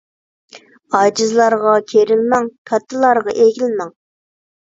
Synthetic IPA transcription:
ɑd͡ʒɨzlˠɑɾʁɑkʲʰeɾɪlmɛŋpʲʰɛt̪ʰːɨlˠɑɾʁɑʔeɡʲilmɛŋ

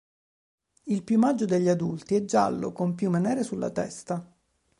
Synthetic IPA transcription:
ilpjumad͡ʒːod̪eʎːiad̪ult̪iɛd͡ʒːa̰lːo̰kompjumːenɛːɾesulːa̰t̪ɛ̰st̪a

